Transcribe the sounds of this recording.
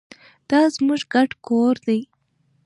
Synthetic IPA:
d̪̥ɑzmuʐɡaʈkoɾd̪aj

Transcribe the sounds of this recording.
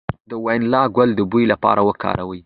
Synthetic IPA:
d̪əwajnlɑɡwald̪əbujlapɑ̰ɾʔawəkɑ̰ɾawəj

